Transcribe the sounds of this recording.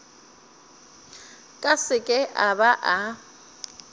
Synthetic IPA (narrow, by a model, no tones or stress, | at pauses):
kʼasɪkʼɛʔabaʔa